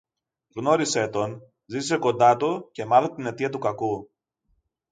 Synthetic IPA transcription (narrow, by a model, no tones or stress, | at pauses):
ɣno̞ɾise̞t̪o̞n | zit̪i̥se̞ko̞nd̪ɐt̪uce̞mɐθɐt̪ine̞t̪iɐt̪̬ukɐku